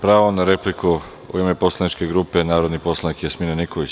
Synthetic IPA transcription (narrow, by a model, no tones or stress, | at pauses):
pɾaːʋonaɾepliku | ṵiːme̞po̞slˠanit͡ʃke̞ɡɾuːpe̞naːɾod̪nipo̞slˠanikjasminenikoʋit͡ɕ